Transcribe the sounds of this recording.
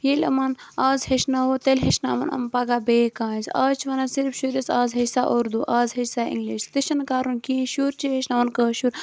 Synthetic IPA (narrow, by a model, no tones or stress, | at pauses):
jelʲɐ̰mɐn | aːzheʃnaʋot̪elʲɦeʃna̰ːʋɐnɐ̰mpɐɡabeːkãːzaːt͡ʃʰʋɐnasiɾfʃuɾɐsaːzɦɐsaʔoɾd̪uʔaːzɦɐsaːḭŋɡliʃt̪iʃɐnkaːɾunkĩʃuɾt͡ʃiɦeʃnaʋɐnkəːʃuːɾ